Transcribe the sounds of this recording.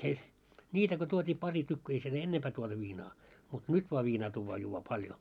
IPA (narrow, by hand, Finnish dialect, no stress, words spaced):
se nʲiːtæ ko tuotʲiː pɑri tykːy ei siel enːempæː tuotu ʋiːnɑː mut nyt ʋoɑ ʋiːnɑː tuːʋːɑː juːʋːɑː pɑljo